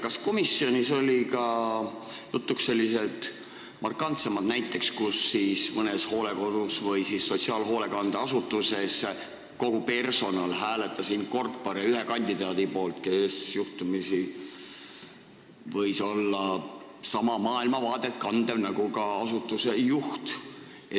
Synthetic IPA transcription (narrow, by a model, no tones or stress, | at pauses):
kɑsko̞misːio̞nʲiso̞lʲikɑ | jut̪ːˑuksse̞lʲːise̞lt̪ | mɑrkɑnt̪semɑd̪næjt̪ːˑe̞kskusːiːsmɤnesho̞ːle̞ko̞d̪̥usvɤjsisːo̞t̪siɑːlɦo̞ːle̞kɑnd̪̥ɑɑsut̪ːˑuse̞s | ko̞ɡ̥upe̞rso̞nɑlɦæːle̞t̪ːˑɑsinko̞rt̪̚poɾeyɦekɑnʲd̪̥id̪̥ɑːd̪̥ipo̞ːlt̪ke̞sjuht̪umisi | vɤjso̞lːɑ | sɑmɑmɑːilmɑvɑːd̪et̪ːkɑnd̪̥evnɑɡ̥ukɑɑsut̪ːˑuse̞juht̪ | e